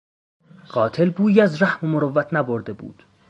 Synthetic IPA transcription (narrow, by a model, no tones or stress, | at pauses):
ɢɒːt̪ʰe̞lbuːjæzræhmomoɾovːæt̪ʰnæboɾd̪e̞bṵːd̪̥